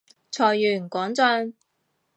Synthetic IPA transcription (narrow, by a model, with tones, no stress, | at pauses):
t͡sʰɔː˨˩jːyː˨˩˨kwɔː˨˥ŋt͡sœː˧ŋ